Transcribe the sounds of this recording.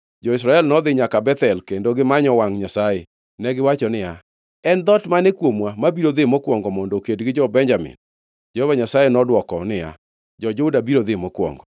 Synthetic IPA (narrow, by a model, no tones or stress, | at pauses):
d͡ʒɔisɾaɛlnɔd̪ɪɲakabɛt̪ɛlkendoɡɪmaɲɔwaŋɲasaje | nɛɡɪwat͡ʃɔnɪja | ɛnd̪ɔtmanɛkwomwamabiɾod̪ɪmɔkwɔŋɡɔmɔndɔkedɡɪd͡ʒɔbɛɲd͡ʒamɪ̰n | d͡ʒɔhvaɲasajenɔdwɔkɔnɪja̰ | d͡ʒɔd͡ʒoudabiɾod̪ɪmɔkwɔ̰ŋɡɔ